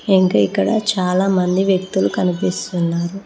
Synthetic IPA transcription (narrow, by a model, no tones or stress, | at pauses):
iŋkaikːɐɽɐ̰t͡ʃaːlaːmɐnd̪iʋjɐk̚t̪ulukɐnipist̪unːaːɾu